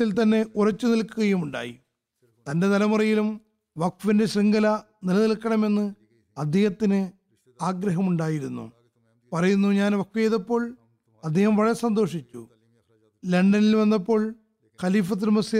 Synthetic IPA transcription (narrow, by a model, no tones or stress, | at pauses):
ilt̪ɐnːe̞ʔurɐt͡ɕːunilkuɣɐjumuɳɖa̰ːjḭ | t̪ɐnde̞nɐlɐmurɐjilum | ʋɐkʋinde̞ɕriŋɡɐlɐ | nilɐnilkːɐɳɐme̞nːɨ | ɐd̪ʱːehɐt̪ːinɨ | aːɡɾɐɦɐmuɳɖaːjiɾunːṵ | pɐrɐjunːuɲaːnʋɐkʋjejðɐpːo̞ːɭ | ɐd̪ʱːeːhɐmʋɐɻɐsɐnd̪o̞ːʂit͡ɕːṵ | leɳɖɐnilʋɐnːɐpːo̞ːɭ | xɐliːfɐt̪̬ːilumɐsi